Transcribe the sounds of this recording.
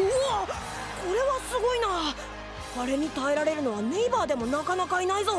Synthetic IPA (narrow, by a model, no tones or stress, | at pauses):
ɯa | ko̞ɾe̞βasɨɡo̞ina | kaɾe̞ɲ̟it̪aeɾaɾe̞ɾɯ̟no̞βaneibaːd̪e̞mo̞nakanakainaizo